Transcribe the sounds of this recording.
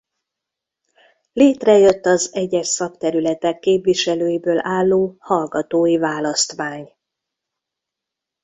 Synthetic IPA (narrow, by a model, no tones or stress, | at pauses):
leːt̪rɛjø̞t̪ːɒzɛɟɛʃsɒkt̪ɛɾylɛt̪ɛkːeːpviʃɛløːjibøːlʔaːlːoːhɒlɡɒt̪oːjivaːlɒst̪ʋaːɲ